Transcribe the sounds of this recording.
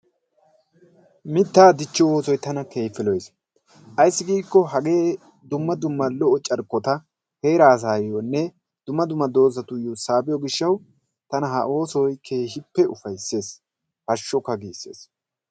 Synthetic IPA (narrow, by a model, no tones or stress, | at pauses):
mɪt̪ːaːd̪ɪt͡ʃːɔwo̞ːsɔjt̪ɐnɐke̞ːfɪlɔjs | ʔɐjsːɪɡiːkːɔɦɐɡe̞ː | d̪ʊmːɐd̪ʊmːɐlɔʔɔt͡ʃʼɐɾkːɔt̪ɐ | he̞ːɾaːs̬aːjjonːɛ | d̪̥ʊmːɐd̪ʊmːɐd̪o̞ːzɐt̪ʊjusaːbɪjɔɡɪʃːɐw | t̪ɐnɐɦɐʔo̞ːsɔjkʰeːʃɪpːɛʔʊfɐjsːe̞ːs | hɐʃːɔkːɐɡiːsːe̞̰ːs